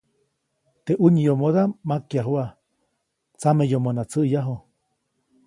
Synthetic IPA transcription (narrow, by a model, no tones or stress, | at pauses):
t̪eʔuɲijomoðamakjaɦua | t͡samejomonat͡sɨʔjaɦu